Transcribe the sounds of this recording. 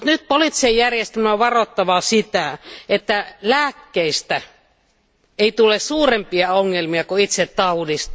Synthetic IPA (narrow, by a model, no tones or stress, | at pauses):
ut̪nyt̪̚polit̪ːi̥sejjærjest̪æmæoʋʋɑrot̪ːɑʋɑsit̪æet̪ːælæːkːeist̪æ | eit̪ulessuːrempiɑoŋːelmiɑkuit̪set̪t̪ɑudist̪